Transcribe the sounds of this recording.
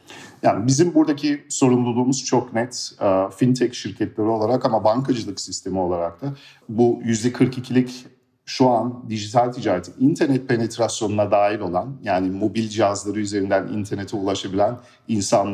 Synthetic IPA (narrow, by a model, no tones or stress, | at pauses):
jaːnibizimbuɾd̪acʰiso̞ɾumlˠulˠuːmuz̥t͡ʃʰo̞knɛt̪ːfint̪ʰɛcʃiɾcʰɛt̪lʲeɾio̞lˠaɾakamabaŋkʰad͡ʒɯlˠɯksist̪ʰe̞mio̞lˠaɾak̚t̪ʰa | bujyzd̪ɛkʰɯɾkicʰilʲic | ʃuand̪iʒit̪ʰalʲt̪ʰid͡ʒaːɾet̪ʰinint̪ʰæɾnɛt̪̚pʰe̞net̪ɾasjo̞nunad̪aːjilo̞lˠanjaːnimo̞bilʲd͡ʒiazlˠaɾɯyze̞ɾind̪ænḭnt̪ʰɛɾne̞t̪ʰɛulˠaʃabilʲæn | insan